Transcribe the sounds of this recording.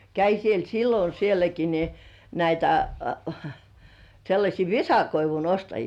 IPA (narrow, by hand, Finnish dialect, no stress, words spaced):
kæi siel silːo sielæki ni næitæ selːɑsʲiː ʋisɑkoiʋun ostɑjiː